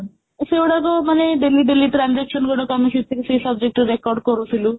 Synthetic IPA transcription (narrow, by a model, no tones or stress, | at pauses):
sewɽakɔmaneɖelːiɖeliʈɾand͡zɛkʃɔnɡoɽɔkɔmisit̪ʰːikesesəb̚d͡ʒek̚ʈɔɾɾekɔɾɖ̚kɔɾut̪ʰilu